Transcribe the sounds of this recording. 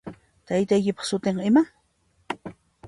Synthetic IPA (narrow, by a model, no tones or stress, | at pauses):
t̪ajt̪ajkɪpɑ̥χsʊt̪ɪɴɪma